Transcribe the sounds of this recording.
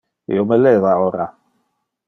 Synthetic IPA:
jɔmɛlɛðaɔɾa

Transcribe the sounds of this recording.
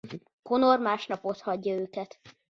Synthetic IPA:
konormaːʃnɒpo̞t̪hɒɟːɒøːkɛt̪

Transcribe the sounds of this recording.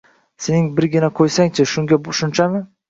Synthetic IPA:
senɪŋbɪɾɡʲɪnakʰojsaŋt͡ʃʰɪʃʊŋɡʲaʊʃʊnt͡ʃʰamɪ

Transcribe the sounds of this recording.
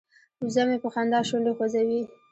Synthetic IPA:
uzamepəxand̪ɑʃond̪exozawi

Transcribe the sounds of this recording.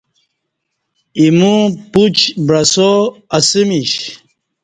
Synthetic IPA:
imuput͡ʃbɾasoasimiʃ

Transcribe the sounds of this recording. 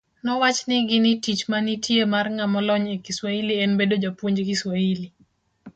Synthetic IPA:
nɔwat͡ʃnɪɡɪnitit͡ʃmanitjemarŋamɔlɔɲekiswailiɛnbedod͡ʒapwoɲd͡ʒkiswaili

